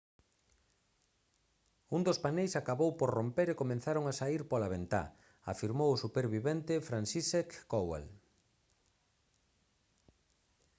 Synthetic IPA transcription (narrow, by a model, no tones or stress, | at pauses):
und̪ospanejsakaβowpoɾrompeɾekomẽnθaɾoŋasaiɾpolaβent̪a̰ | a̰fiɾmowʊsupeɾβiβent̪ɪfɾansisekːowa̰l